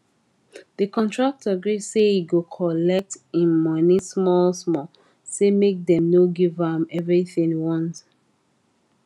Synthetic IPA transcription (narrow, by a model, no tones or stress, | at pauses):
ð̥əkɔ̃ntʰɹak̚taɡɹi̥seiɡokʰɔlɛk̚tĩnmɔnismɔlsmɔ | semek̚dɛ̃mnoɡivãmɛvɹiθĩŋwɔ̃nt